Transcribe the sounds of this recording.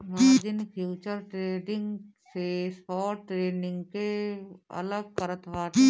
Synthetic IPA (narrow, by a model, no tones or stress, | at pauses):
mad͡ʒɪnpʰjuːt͡ʃəɾʈɾeːɖɪ̃ŋɡsespɔːʈɾeːnɪ̃ŋɡkeɐ̰ləɡ̚kəɾət̪ʋaːʈ